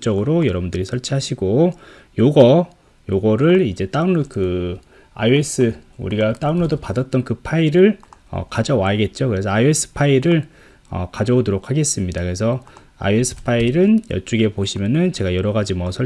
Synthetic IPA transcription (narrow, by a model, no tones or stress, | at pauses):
t͡ɕ͈ʌɡɯɾojʌɾʌbundɯɾisʰʌɭt͡ɕʰiɦaɕʰiɡo | joɡʌ | joɡʌɾɯɭid͡ʑe̞t͈aunːokɯ | a̰ie̞s͈ʰɯṵɾiɡat͈aunːodopadʌt̚t͈ʌnkɯpʰaiɾɯɭʌ̰kad͡ʑʌwaiɡe̞t̚t͡ɕ͈okɯɾe̞s̬ʰʌaie̞s͈ʰɯ̥pʰaiɾɯɭ | ʌ̰kad͡ʑʌodoɾokʰaɡe̞s͈ɯmɲidakɯɾe̞s̬ʰʌ | a̰ie̞sʰɯ̥pʰaiɾɯnjʌt͡ɕ͈uɡe̞poɕʰimjʌnɯnt͡ɕe̞ɡajʌɾʌɡad͡ʑimwʌsʰʌ